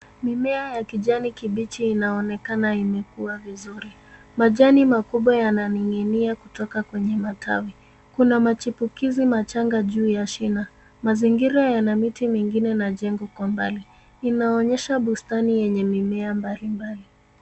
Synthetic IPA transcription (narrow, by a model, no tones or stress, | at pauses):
mimɛajakiʄanikiɓit͡ʃiːnaɔnɛkanaimɛkuavizuɾi | maʄanimakuɓwajananiŋɡɛniakutɔkakwɛɲɛmata̰wi | kunamat͡ʃipukizimat͡ʃaŋɡaʄuːjaʃina | maziŋɡiɾajanamitimiŋɡinɛnaʄɛŋɡɔkwambaliː | naɔɲɛʃaɓustanijɛɲɛmimɛambalimbali